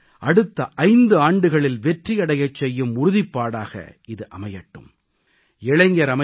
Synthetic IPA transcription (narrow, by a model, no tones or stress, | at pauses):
ʔɐɽɯt̪ːɐʔɐɪnd̪ɯaːɳɖɯɣɐɭɪlʋɛʈriɐɽɐjɐt͡ʃːɛjːɯmʊɾʊðɪpːaːɽaːɣɐ̰ | ɪðɯʔɐmɐjɐʈːɯ̰m | ɛɭɐŋɡɐɾɐmɐ